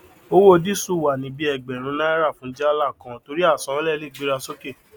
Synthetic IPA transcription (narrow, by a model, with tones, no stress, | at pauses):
o˦wo˦˧di˦˨su˦˨wa˨nĩ˨˦bi˦ɛ˧˨ɡ͡bɛ˨ɾ̃ũ˨˦na˦i˦ɾa˦˨fũ˨˦d͡ʒɛ˦a˦la˦˨kã˧˨to˧ɾi˦a˦˨sã˨˦lɛ˦˨le˦˨ɡ͡bi˨˦ɾa˧so˦ke˦˨